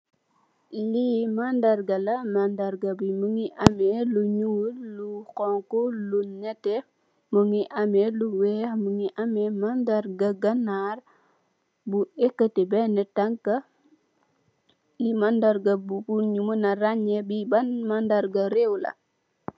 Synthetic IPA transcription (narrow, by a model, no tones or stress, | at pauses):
limandarɡɐlɐmandaɾɡɐbimuŋiʔɐmɛluɲumulukɔŋkulunɛtːɛ | məŋiʔɐmɛluwɛxməŋiʔamɛmandarɡɐɡɐnar | buɛkːətɛbɛnɛtaŋkɐ | limandaɾɡɐbubuɲumunɐraɲɛbibɐnmandaɾɡɐɾewlɐ̰